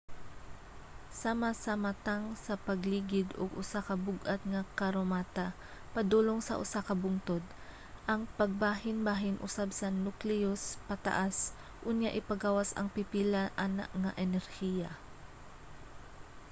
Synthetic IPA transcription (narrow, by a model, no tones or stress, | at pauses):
samasɐmat̪aŋsɐpɐɡliːɡɪd̪oɡʊsakɐbʊɡʔat̪̚ŋɐkɐɾomaːt̪a | pɐd̪uːloŋsɐ̰ʔʊ̰sakɐbʊŋt̪od̪̚ | ʔɐŋpɐɡ̚baːɦɪnbaːɦɪnʔʊ̰sabsɐnuklɛjospɐt̪a̰ʔas | ʔʊnjaʔɪpɐɡaːwasɐ̰ŋpɪpiːlaʔana̰ʔŋɐʔɛnɛɾhija